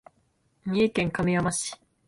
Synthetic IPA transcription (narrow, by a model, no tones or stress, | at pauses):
ɲʲiːkẽŋkamiamaɕi̥